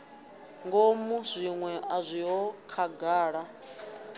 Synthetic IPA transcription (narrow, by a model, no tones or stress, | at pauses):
ŋɡomuzʷiŋwɛʔazʷiɦɔkʰaɡaːɺa